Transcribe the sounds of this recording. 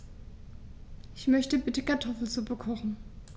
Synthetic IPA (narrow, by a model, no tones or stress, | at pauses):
ʔɪçmœçtəbɪtəkʰaɐtʰɔfl̩t͡subəkʰɔχn̩